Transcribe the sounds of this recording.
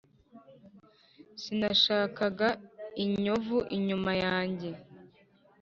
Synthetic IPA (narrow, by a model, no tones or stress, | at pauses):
sinaʃaːkaɡaiɲovuʔiɲumajaːɲɟe̞